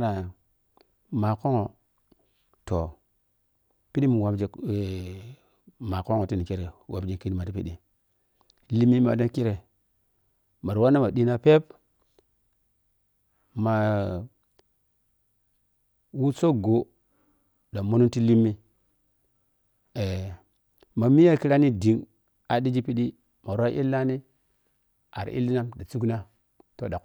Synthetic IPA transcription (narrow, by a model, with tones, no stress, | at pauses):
na˨ | ma˨ko˦ŋo˨ | to˨ | pi˦ɗi˦mi˨wa˨bd͡ʒe˨˦˨ | ma˨ko˦ŋo˨ti˦ni˨ki˦ɾe˨wʔa˨bd͡ʒe˦kːi˦n˦ma˨ti˦pi˦ɗi˨ | li˦mːi˦ma̰˨da˦ki˦ɾe˨ | ma˨ɾwa˦nːa˦ma˨di˦na˦pe˦p | ma˨ | wu˦t͡so˦ɡo˨ | da˨mo˦nu˦nti˦li˦mːi˦ | e˨ | ma˨mi˦ja˦ki˦ɾa˦ni˦di˨ŋ | a˨di˦d͡ʒi˦pi˦ɗi˦ | ma˨ɾʷa˦ʔḭ˦lːa˦ni˦ | a̰˨ɾ̰ʔḭ˦lːi˦na˦mda˨t͡su˦kna˦ | to˦da˨